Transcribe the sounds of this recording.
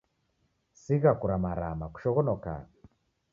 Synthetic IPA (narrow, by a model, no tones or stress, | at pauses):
siɣakuɾamaɾamaku̥ʃɔɣɔnɔka̰